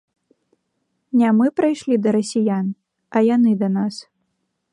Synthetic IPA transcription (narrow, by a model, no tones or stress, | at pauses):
nʲɛmɨpɾajʂlʲid̪ɐɾɐsʲijan | ɐjanɨd̪ɐnas